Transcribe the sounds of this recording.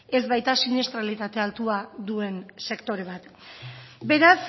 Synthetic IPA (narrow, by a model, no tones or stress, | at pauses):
e̞zβajt̪asinist̪ɾalit̪at̪e̞alt̪uad̪ue̞nse̞kt̪o̞ɾe̞β̞at̪ | be̞ɾas